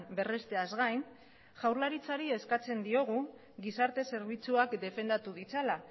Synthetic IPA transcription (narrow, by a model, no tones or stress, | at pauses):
nbe̞rest̪e̞azɣajn | ʝawɾlaɾit͡saɾie̞skat͡se̞nd̪io̞ɣ̞u | ɡisaɾt̪e̞se̞ɾβ̞it͡suakd̪e̞fe̞nd̪at̪uðit͡sala